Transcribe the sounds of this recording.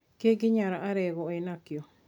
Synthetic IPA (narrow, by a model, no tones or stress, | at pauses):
kek̬iɲãɾaʔaɾeɡoenãkio